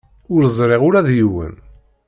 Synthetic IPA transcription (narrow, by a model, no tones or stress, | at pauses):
ʊɾzˤɾˤeʁʊɾæðjiwə̰n